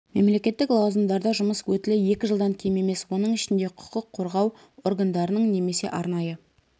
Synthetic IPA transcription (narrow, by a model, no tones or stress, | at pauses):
me̞mle̞kʲe̞t̪ːɪklˠɑwzənd̪ɑɾd̪ɑʒʊməswɵt̪ɪlɪje̞kʲɪʒəlˠd̪ɑŋkʲʰe̞jme̞me̞swo̞nəɴɪʃɪnd̪e̞qʰʊ̥qəqʰːo̞ɾʁɑw | oɾɡand̪ɑɾənəɴne̞me̞se̞̰ʔɑɾn̪ɑjə